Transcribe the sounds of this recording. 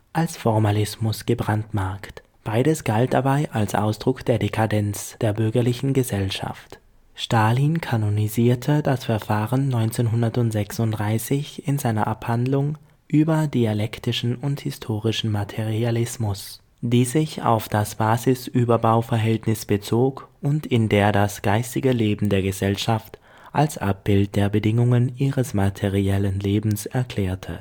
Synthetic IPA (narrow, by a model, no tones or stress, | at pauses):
ʔalsfɔɐmalɪsmʊsɡ̥əbʁantmaɐkt | b̥aɪɾəsɡ̥alt̚d̥abaɪʔalsʔa̰ʊsd̥ʁʊkd̥eːɐdekʰadɛnt͡sd̥eːɐbʏɐɡɐlɪçn̩ɡəzɛlʃa̰ft | ʃtaːlinkʰanoniziːɐtʰəd̥asfɛɐfaːʁənːɔʏnt͡seːnɦʊndɐtʊntz̥ɛksʊntd̥ʁaɪsɪçɪnzaɪnɐʔaphandlʊŋ | ʔyːbɐdialɛktɪʃn̩ʊnthɪstʰoːʁɪʃn̩matʰɛʁialɪsmʊs | d̥iːzɪça̰ʊfd̥asb̥aːzɪsʔyːbɐbaʊfɛɐɦɛltnɪsb̥ət͡soːkʊntɪndeːɐdasɡ̥aɪstɪɡəleːbm̩deːɐɡəzɛlʃaft | ʔalsʔa̰p̚b̥ɪlt̚d̥eːɐbədɪŋʊŋənʔiːʁəsmatʰɛʁiɛlənleːbm̩sɛɐkʰl̥ɛːɐtʰə̰